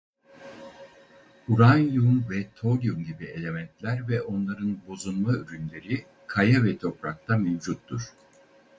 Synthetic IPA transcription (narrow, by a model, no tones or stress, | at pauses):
uɾanjunvɛt̪ʰo̞lʲjumɟibielʲe̞mɛnt̪lʲæɾvɛʔo̞nlˠaɾɯnbo̞zunmayɾynlʲe̞ɾi | kʰajavɛt̪ʰo̞pɾak̚t̪ʰamevd͡ʒut̪ːuɾ̥